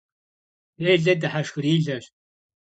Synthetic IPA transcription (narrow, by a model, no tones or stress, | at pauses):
eːɮɐdɨħaʃxɨriːɮɐɕ